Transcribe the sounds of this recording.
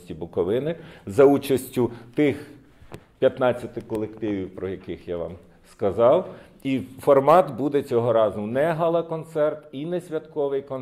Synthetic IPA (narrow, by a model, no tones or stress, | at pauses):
sʲtʲibʊkɔʋɪnɪzɐut͡ʃɐsʲtʲʊt̪ɪx | pʲjɐt̪nɑt͡sʲːɐt̪ɪkɔlˠekt̪ɪʋʲiwpɾɔjɐkɪxjaʋɑ̰m | skɐzɑw | ifɔrmɑt̪bud̪ɛt͡sʲɔɦɔɾɑzʊnɛɦɐlˠɐkɔnt̪sɛrt̪inɛsʲʋʲɐt̪kɔʋɪjkɔn